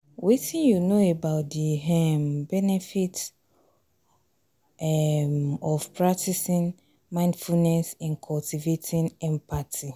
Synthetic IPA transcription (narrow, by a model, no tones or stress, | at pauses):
witĩnjunoebaʊt̚diɦɛmbɛnɛfit | ɛ | ɔfpɹak̚tisĩn | mãɪ̃ndfulnɛsɪ̃nkʰɔltʰivetʰĩnɛ̃mpʰatʰi